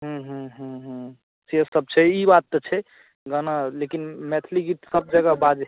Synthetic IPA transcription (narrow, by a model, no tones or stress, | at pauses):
ɦũɦũɦũɦũ | siəsəb̚t͡ʃʰɛibat̪ːɔt͡ʃʰɛ | ɡanalekinmɛt̪ʰliɡit̪səb̚d͡ʒəɡabad͡ʒ